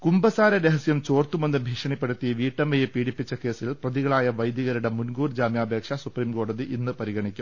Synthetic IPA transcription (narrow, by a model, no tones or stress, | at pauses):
kumbɐsaːɾɐɾeɦɐsjɐmt͡ɕo̞ːrt̪ume̞nːɨbʱiːʂɐɳipːɐɽɐt̪ːijɐʋiːʈːɐmːɐjepiːɽipːit͡ɕːɐke̞ːsilprɐðiɣɐɭaːjɐʋɐjd̪jɐɣɐɾiɽemunɡuːrd͡ʑaːmjaːbʱe̞ːkʂɐsupriːmko̞ːɽɐðiʔinːɨpɐɾiɣɐɳikʲːum